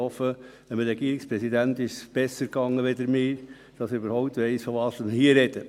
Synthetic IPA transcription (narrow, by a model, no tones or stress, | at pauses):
ɔfə | ɛməɾɛɡiːɾɪkspɾɛsid̪ænt̪ɪʃsb̥ɛsəɾkɑŋːəʋed̪əɾmɪːɾ | d̥ɑsybəɾhɔʊp̚t̪ʋɛɪsfɔʋɑːsəmhiːəɾɛd̥̪ə